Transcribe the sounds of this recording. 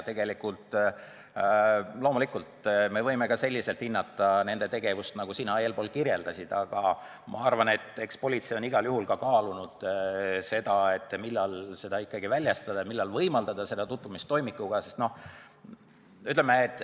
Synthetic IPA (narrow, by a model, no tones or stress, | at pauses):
t̪e̞ɡ̥e̞likult̪ˑ | lo̞ːmulikːˑult̪me̞vɤjmekɑse̞lʲːise̞lt̪hinːɑt̪ːˑɑne̞nd̪̥e̞t̪e̞ɡ̥e̞vust̪nɑɡusinɑe̞ːlpo̞ːlkirje̞ld̪ɑsʲid̪̥ɑɡ̥ɑ | mʔɑ̰ɑrvɑne̞t̪ːˑe̞kspo̞lʲit̪sejo̞niɡ̥ɑljuhulkɑkɑːlunud̪̥se̞d̪̥ɑe̞t̪ːˑmilːɑlse̞d̪ɑikːˑɑɡivælʲjɑst̪ɑd̪̥ɑmilːɑlvɤjmɑld̪ɑd̪̥ɑse̞d̪̥ɑt̪ut̪vumist̪ːo̞jmikːˑuɡ̥ɑse̞st̪no̞h | yt̪ːˑlemːeːt̪ːˑ